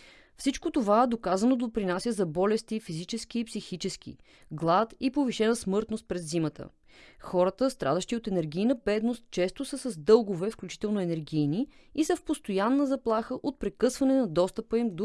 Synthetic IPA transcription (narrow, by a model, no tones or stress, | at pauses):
fsit͡ʃkot̪ovaɛd̪okazənod̪opɾinasʲjəzɐbɔlɛst̪ifizit͡ʃɛsk̟iːpsixit͡ʃɛsk̟ḭ | ɡlˠat̪ipoviʃɛnəsmɤɾt̪nost̪̚pɾɛd̪zimət̪ə̰ | xɔɾət̪əst̪ɾʔa̰d̪əʃt̪iot̪ɛnɛɾɡ̟ʲijnəbɛd̪nost̪̚t͡ʃɛst̪osəsɐzd̪ɤlˠɡovɛfklʲut͡ʃi̥t̪ɛlˠnoɛnɛɾɡʲijniisəfpost̪ojanːəzɐplˠaxəʔot̪̚pɾɛkɤsvɐnɛnɐd̪ɔst̪əpəimd̪o